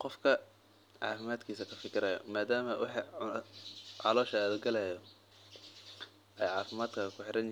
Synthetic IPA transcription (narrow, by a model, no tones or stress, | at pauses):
qɔfkʰɐ | ʕɑ̰ːfɪmaːd̪kʰiːsɐkʰɐfɪkʰɪɾɐjɔ̰maːd̪aːmɐwʔɑ̰ħ | ʕɑ̰lɔːʃɐːðʊɡɐlɛjɔ | ɛjʕɑːfɪmaːd̪kʰɐkʰʊħɪɾɐn